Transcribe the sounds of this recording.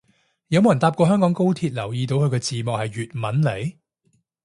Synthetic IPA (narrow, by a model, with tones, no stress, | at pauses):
jɐ˨˧wmo˨wjɐ˨˩nt̪aː˧p̚kʷɔː˧ɦœː˥ŋkɔː˨˥ŋko˥wt̪ʰiː˧t̚lɐ˨˩wjiː˧t̪o˨˧wkʰɵ˧kɔː˧t͡siː˨mɔː˨hɐ˨jɥyː˨t̚mɐ˨˥nle˨˥j